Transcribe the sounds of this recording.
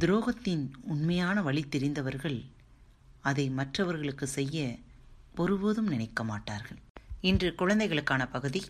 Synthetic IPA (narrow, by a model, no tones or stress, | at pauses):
d̪ɪɾoːɣɐt̪ːɪnʊnmɐjaːnɐʋɐɭɪt̪ːɪɾɪnd̪ɐʋɐɾɣɐɭ | ɐðɐɪmɐʈrɐʋɐɾɣɐɭɯkːɯsɛjːɐpɔɾɯʋoːðɯmnɪnɐɪkːɐmaːʈːa̰ːɾɣɐɭɪndrɯkʊɻɐnd̪ɐɪɣɐɭɯkːaːnɐpɐɣɯði